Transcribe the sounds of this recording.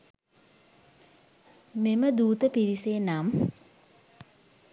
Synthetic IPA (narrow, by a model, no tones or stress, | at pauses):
meməd̪uːt̪əpiɾiseːnam